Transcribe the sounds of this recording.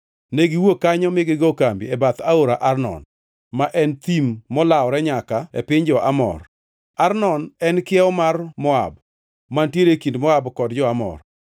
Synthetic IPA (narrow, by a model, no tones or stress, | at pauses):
neɡɪwokːaɲɔmɪɡɪɡokambḭɛbat̪aoɾaʔarnɔ̰n | maʔɛnt̪imːɔlaɔɾɛɲakaɛ̰pɪɲd͡ʒɔʔamɔ̰r | arnɔnɛnkɪɛɔmarmɔa̰b | mantjeɾekindmɔabkɔdd͡ʒɔamɔ̰r